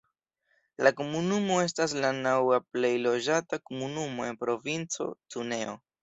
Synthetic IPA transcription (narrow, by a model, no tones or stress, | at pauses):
lako̞munumo̞e̞s̬tas̬lanawaple̞jlo̞d͡ʒatakomunumo̞e̞npɾo̞vint͡so̞̰t͡sune̞o̞̰